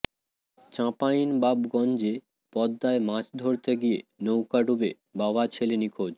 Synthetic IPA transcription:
t͡ɕãpajnbabɡɔnd͡ʑe | pɔd̪ːaemãt͡ɕʰd̪ʱoɾt̪eɡijenowkaɖube | babat͡ɕʰelenikʰod͡ʑ

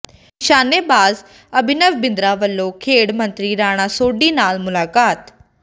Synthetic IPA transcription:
ʃaːneːbaːz | əbʱɪnəʋbɪ̃nd̪ɾaːʋəlːõːkʰeːɽmə̃nt̪ɾiːɾaːɽ̃aːsoːɖiːnaːlmʊlaːkaːt̪

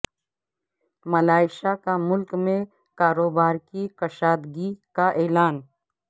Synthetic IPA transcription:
mɐlaːɪʃakamʊlkmẽ | kaːɾoːbaːɾkikɐʃaːd̪ɡikaʔeːlaːn

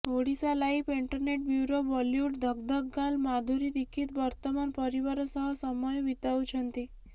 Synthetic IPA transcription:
oɽisalaipiɳʈəɾneʈ̚bjuɾoʋɔljuːʈd̪ʱəɡ̚d̪əkɡalmad̪ʱuɾid̪ikʰːiːt̪ʋəɾt̪əmanpəɾiʋaɾəsəɦəsəməjʋit̪aut͡ʃʰənt̪i

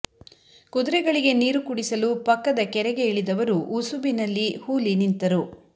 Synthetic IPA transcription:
kud̪uɾɛɡɐɭiɡe̞niːɾukuɽisɐlupɐkːɐd̪ɐkɛɾɛɡe̞iɭid̪ɐʋɐɾuʔusubinɐlːihuːlinint̪ɐɾu

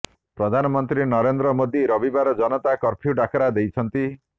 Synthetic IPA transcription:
pɾɔd̪ʱanɔmɔnt̪ɾinɔɾend̪ɾɔmod̪iɾɔbibaɾɔd͡ʒɔnɔt̪akɔɾpʰjuɖakʰɔɾad̪ejt͡ʃʰɔnt̪i

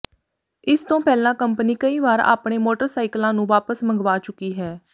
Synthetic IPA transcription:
ɪst̪õːpɛːlãːkəmpəniːkəiːʋaːɾa̰ːpɳeːmoːʈəɾsaːɪklãːnũːʋaːpəsməŋɡʋaːt͡ʃʊkːiːɦɛː

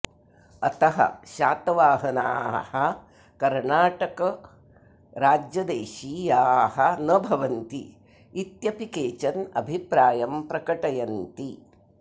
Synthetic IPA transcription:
ɐt̪ɐɦɐ̰ʃaːt̪ɐʋaːɦɐna̰ːhɐ | kɐɾɳaːʈɐkɐ | ɾaːd͡ʒjɐd̪eːʃiːjaːɦɐnɐbʱɐʋɐnt̪ḭː | t̪jɐpikeːt͡ʃɐnɐ̰bʱipɾaːjɐmpɾɐkɐʈɐjɐnt̪i

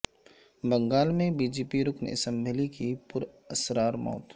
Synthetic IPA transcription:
bɐ̃ŋɡaːlmẽbiːd͡ʒeːpiɾʊknɪ̰sɛ̃mbʱɪlikipʊɾ | ɐsɾaːɾmɔ̰ːt̪

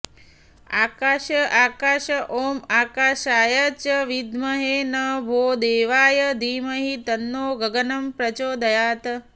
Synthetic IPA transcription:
aːkaːʃɐʔaːkaːʃɐʔoːmaːkaːʃaːjɐt͡ʃɐʋid̪mɐɦeːnɐbʱoːd̪eːʋaːjɐd̪iːmɐɦit̪ɐnːoːɡɐɡɐnɐmpɾɐt͡ʃoːd̪ʱɐjaːt̪ɐ

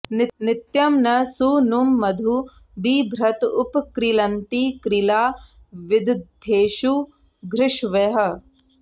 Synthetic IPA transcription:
nɪnɪt̪jɐmnɐsunumːɐd̪ʱu | biːbʱɾɐt̪ʊpkɾilɐnt̪ikɾilaː | ʋɪd̪ʱd̪ʱːeːʃu | ɡɾɪʃʋeɦɐ̆

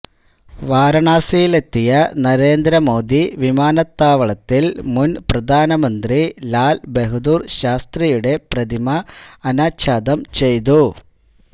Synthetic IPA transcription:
ʋaːɾɐɳaːsijile̞t̪ːijɐnɐɾe̞ːnd̪ɾɐmo̞ːd̪iʋimaːnɐt̪ːaːʋɐɭɐt̪ːilmunprɐd̪ʱaːnɐmɐnd̪rilaːlbe̞ɦud̪uːrɕaːst̪rijuɽe̞prɐd̪imɐːnaːɕaːd̪ɐmt͡ɕe̞jt̪̬u

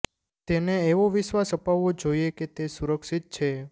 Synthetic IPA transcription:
t̪eneːʋoʋɪʃʋasəpaʋːod͡ʒoijeket̪esuɾəkʃit̪̚t͡ʃʰe

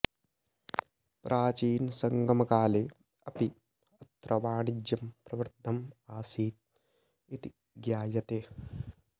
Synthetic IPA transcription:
pɾʔaːt͡ʃiːnsɐŋɡɐmɐkaːleː | ɐpi | ɐt̪ɾɐʋaːɳid͡ʒjɐmpɾɐʋɐɾt̪ːɐmaːsiːt̪̚ | it̪i | ɡjaːjɐt̪eː

